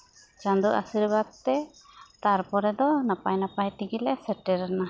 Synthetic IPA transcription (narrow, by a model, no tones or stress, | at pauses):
t͡ʃand̪uʔa̰siɾbad̪̚t̪ɛt̪aɾpɔɾɛd̪ɔnapajnapajt̪iɡilɛsɛʈɛɾna